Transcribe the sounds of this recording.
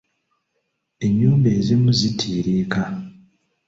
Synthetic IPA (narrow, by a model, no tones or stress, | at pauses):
e̞mjuːmbe̞ːzimuzitʰiːɾeːka